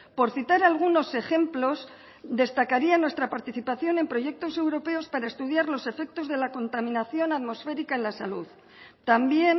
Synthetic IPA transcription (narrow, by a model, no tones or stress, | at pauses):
po̞ɾθit̪aɾalɣ̞uno̞se̞xe̞mplo̞s | d̪e̞st̪akaɾianwe̞st̪ɾapaɾt̪iθipaθjo̞ne̞mpɾo̞ʝe̞k̚t̪o̞se̞wɾo̞pe̞o̞spaɾae̞st̪uðjaɾlo̞se̞fe̞k̚t̪o̞zðe̞lako̞nt̪amĩnaθjo̞naðmo̞sfe̞ɾikaenlasaluð | t̪ambje̞n